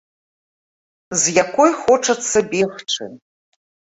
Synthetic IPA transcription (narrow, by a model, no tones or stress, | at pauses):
zjakʰʷojχoʈ͡ʂʰɐt͡sʰːɐbʲexʈ͡ʂʰɨ̰